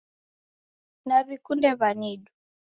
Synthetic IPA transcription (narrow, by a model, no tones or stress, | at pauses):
naβikundɛβaniɗu